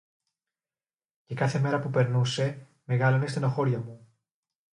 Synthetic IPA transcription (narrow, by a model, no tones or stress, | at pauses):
ce̞kɐθe̞me̞ɾɐpupe̞ɾnuse̞ | me̞ɣɐlonest̪enoxo̞ɾʝɐmu